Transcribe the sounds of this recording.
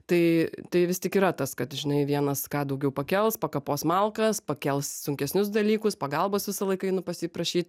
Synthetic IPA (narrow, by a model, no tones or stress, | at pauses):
t̪ɐɪt̪ɐɪʋʲɪst̪ʲɪkiːɾɐt̪ɐskɐt̪ʒʲɪnɐɪʋʲiɛnɐskɑːd̪ɐʊɡʲɛʊpɐkʲɛlˠspɐkɐpoːsmɐlˠkɐspɐkʲɛlˠssʊŋʲkʲɛsʲnʲʊs̬d̪ɐlʲiːkʊspɐɡɐlˠboːsʋʲɪsɐlˠɐɪkɐɪnʊpɐsʲiːpɾɐʃʲiːt̪̚